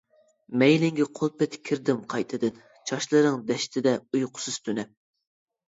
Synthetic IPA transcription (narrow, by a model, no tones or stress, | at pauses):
mɛjlɪŋɡʲɛqʰolˠpɛt̪ʰkʲʰːiɾd̪ɪmqʰɑjt̪ʰɨd̪ɨn | t͡ʃʰɑʃlˠɨɾɨŋd̪ɛʃt̪ʰɪd̪ɛujqʰʊ̥sɨz̥t̪ʰynɛp̚